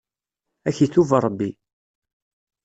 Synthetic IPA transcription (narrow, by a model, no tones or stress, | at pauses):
æçiθuvɾˤəbːi